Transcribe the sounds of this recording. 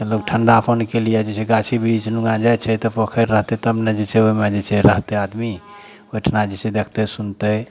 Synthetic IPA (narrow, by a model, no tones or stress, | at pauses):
elok̚ʈʰəɳɖapʰənkelijɛd͡ʒet͡ʃʰɛɡat͡ʃʰibiɾit͡ʃnuɡad͡ʒajt͡ʃʰɛt̪əpəkʰəɾːəɦt̪et̪əbned͡ʒet͡ʃʰɛomed͡ʒet͡ʃʰɛɾəɦt̪ead̪mi | oʈʰnad͡ʒet͡ʃʰed̪ekʰt̪əsunt̪ə